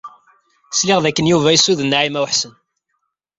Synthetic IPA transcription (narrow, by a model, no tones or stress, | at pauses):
slɪʁðækːənjuvæjisuðənːaʕimæwħsən